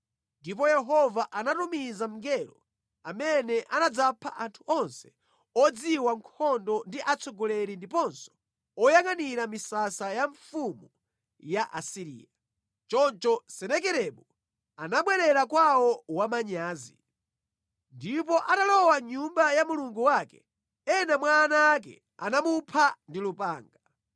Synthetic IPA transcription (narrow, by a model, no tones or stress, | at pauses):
ndip̬ɔjɛɦɔvaʔanatumizam̩ŋɡɛɾɔ | amɛnɛʔanad͡zapʰaʔantʰuʔɔnsɛ̥ | ɔd͡ziwaŋkʰɔndɔndiʔat͡sʰɔɡɔlɛɾindipɔnsɔ̥ | ɔjaŋaniɾamisasajaɱfumɔ | jaʔasiɾḭːja | t͡ʃɔnt͡ʃɔsɛnɛkɛɾɛɓu | anaɓwɛɾɛɾakwawɔwamaɲaːzḭ | ndip̬ɔʔatalɔwaɲumbajamuluŋɡuwakɛ̰ | ɛnamwaːnaːk̬ɛ̰ | a̰namupʰandilupaːŋɡa